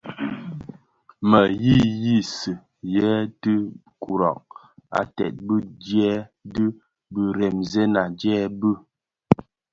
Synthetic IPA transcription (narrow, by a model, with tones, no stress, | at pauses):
mə˨ji˦˨ji˦sə˨ | jɛ˨˦tə˦ | ku˨ɾɔ̰˨ʔ̚ | a̰˨tɛ̰˨t̚bə˦d͡ʒɛ˦də˦ | bə˦ɾɛ˨mze˦na˨d͡ʒɛː˦bə˦